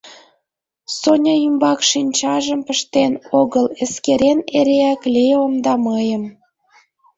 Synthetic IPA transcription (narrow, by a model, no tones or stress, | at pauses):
sonʲɑymbɑkʃinʲt͡ɕɑʒəmpəʃt̪enoɣəleskeɾeneɾeæklʲeomd̪ɑməjəm